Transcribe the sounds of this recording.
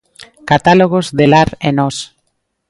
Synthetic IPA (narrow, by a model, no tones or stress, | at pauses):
kat̪aloɣozðelaɾenɔs